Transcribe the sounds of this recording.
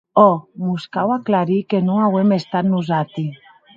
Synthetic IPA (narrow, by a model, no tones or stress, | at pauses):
ɔmuskawaklaɾikenũŋawemest̪anuzat̪i